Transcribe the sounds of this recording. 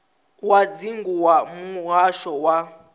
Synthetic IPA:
wad͡ziŋɡuwamuaʃɔwa

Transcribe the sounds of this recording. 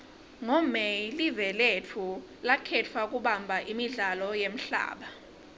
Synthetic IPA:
ŋɔmɛlivɛletʰu | lakʰɛt͡fʰwak̬ʼuɓambʱaʔimiɮalɔjem̩ɬa̰ːɓa

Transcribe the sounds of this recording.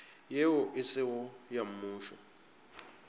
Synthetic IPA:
jeʊʔɪsɪɣɔjam̩muːʃɔ

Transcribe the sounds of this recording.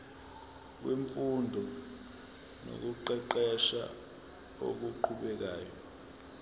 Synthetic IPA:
k̬wiɱfundʱɔ | no̰k̬uǃɛǃɛʃa̰ | o̰k̬uǃʰuɓɛk̬aːjɔ

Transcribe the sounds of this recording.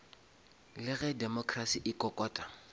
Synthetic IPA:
lɪɣɛdɛmɔkʰrasiʔɪkʼɔkʼɔːtʼa

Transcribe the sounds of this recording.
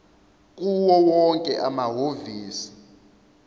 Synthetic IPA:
k̬ʼuwɔwɔŋkʼɛʔamaɦoviːsi̥

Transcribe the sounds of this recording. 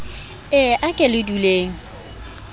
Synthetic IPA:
ɪʔakʼelɪduleːŋ̩

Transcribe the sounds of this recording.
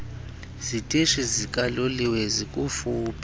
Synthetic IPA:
zitʼiʃizikʼaloliwezikʼufuːpʼa

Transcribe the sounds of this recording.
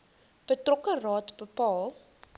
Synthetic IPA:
b̥ətrɔkərɑːtbəpɑːlˠ

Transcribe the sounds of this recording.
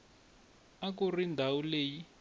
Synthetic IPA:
ak̬urindʱawuleːji

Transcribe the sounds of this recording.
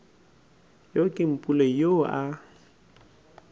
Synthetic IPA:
jokʼɪm̩pʼulejoa

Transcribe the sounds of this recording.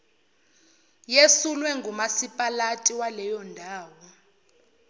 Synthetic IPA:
jesulwɛŋɡʱumasipʼalatʼiwalɛjɔndʱaːwɔ

